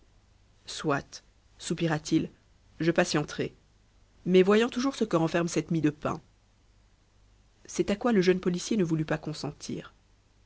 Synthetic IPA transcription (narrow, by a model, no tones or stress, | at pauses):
swat̪ | supiʁat̪il | ʒəpasjɑ̃t̪χɛ | mɛvwajɑ̃t̪uʒuʁsəkəʁɑ̃fɛʁmsɛt̪mid̪əpɛ̰̃ | sɛt̪akwaləʒənpɔlisjenəvulypakɔ̃sɑ̃t̪ʰḭːʁ